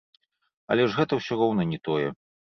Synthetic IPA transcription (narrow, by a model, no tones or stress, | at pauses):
ɐ̰lʲɛʐɣɛt̪ɐwsʲɔɾɔwnɐnʲɛt̪ɔjɛ